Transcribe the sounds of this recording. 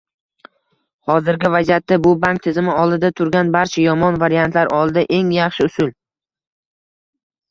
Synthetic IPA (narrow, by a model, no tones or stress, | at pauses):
hɒzɪɾɡʲɪvazjat̪ːabʊbaŋk̚t̪ʰɪzɪmɪɒlˠd̪ɪd̪at̪ʰʊɾɡʲanbaɾt͡ʃʰajɒmɒnvaɾijant̪ʰlaɾɒlˠd̪aʔe̞ŋjɑχʃɪʊsʊl